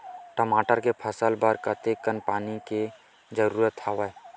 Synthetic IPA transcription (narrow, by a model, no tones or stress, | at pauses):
ʈəmaːʈəɾkepʰəsəlbəɾkət̪ekənpaːnike | d͡ʒəɾuːɾət̪haʋə